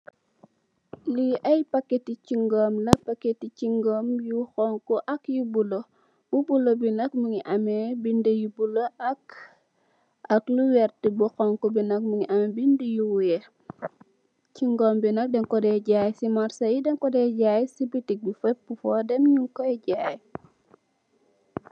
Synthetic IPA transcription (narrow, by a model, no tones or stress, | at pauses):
liʔɐjpɐkːeticiŋɡɔːmlɐpɐkːeticiŋɡoːmjuxɔŋkɔʔɐkjubulo | bubulobinɐkmuŋiʔɐmɛbindəjubuloɐk | ɐkluwɛɾtibuxɔŋkɔbinɐkmuŋiʔɐmɛbindijuwujɛ | ciŋɡɔːmbinɐk̚dɛŋkɔdɛɟaːjsimaɾsɐjidɛŋkɔdɛɟaːjsibitik̚bifɐbufɔdɛmɲuŋkɔjɟaːj